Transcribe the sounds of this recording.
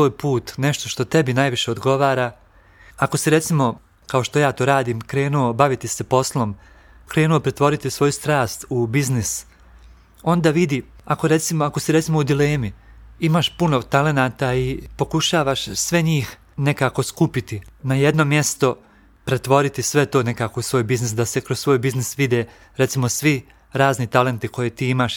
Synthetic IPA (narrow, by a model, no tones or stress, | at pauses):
oːjpuːt̪ne̞ʃt̪oʃt̪o̞t̪e̞binaːjʋiʃe̞od̪ɡo̞ʋaːɾa | ako̞siɾe̞t̪simo̞ | kao̞ʃt̪o̞jaːt̪oːɾaːd̪iːmkɾe̞ːnuobaʋit̪ise̞po̞slˠo̞m | kɾe̞ːnuo̞pɾe̞t̪ʋo̞ɾit̪isʋo̞just̪ɾaːst̪ubiznis | o̞nd̪aːʋid̪i | akoɾe̞t̪simoako̞siɾe̞t̪simo̞ud̪ile̞ːmiimaːʃpunot̪ale̞naːt̪aipo̞kuʃaːʋaʃsʋeɲiːx | ne̞kaːko̞skupit̪inajed̪no̞mjest̪o̞ | pɾe̞t̪ʋo̞ɾit̪isʋe̞t̪o̞ːne̞kaːko̞usʋo̞ːjbiznisd̪asekɾossʋo̞ːjbiznisʋid̪eː | ɾet̪simosʋi | ɾaːznit̪ale̞nt̪ikʰo̞jet̪iːimaːʃ